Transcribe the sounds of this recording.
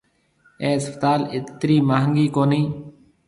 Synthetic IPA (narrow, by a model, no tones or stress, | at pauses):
eːəspət̪aːlɪt̪ɾiːmaːɦəŋɡiːkoːniː